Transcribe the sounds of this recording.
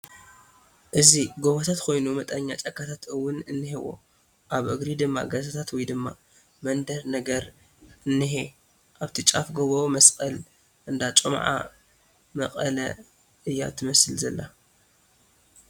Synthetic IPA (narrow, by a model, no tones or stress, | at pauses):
ʔɨziɡoβot̪ʰat̪kʰo̞jnumɐt̪ʼɐɲːat͡ʃʼɐkʰːat̪ʰat̪ɨwːʊnɨnːɨhewo̰ | ʔaβʔɨɡɾid̪ɨmːa̰ɡɐzɐt̪ʰat̪wɔjd̪ɨmːa | mɐnd̪ɐɾnɐɡɐɾ | ɨnːɨɦe | ʔaβt̪ʰit͡ʃʼafɡoβomɐskʼɐl | ʔɨnd̪at͡ʃʼomʕa̰ | mɐqʼɐlɐ | ʔɨjːa̰t̪ʰɨmɐsɨlzɐlːa̰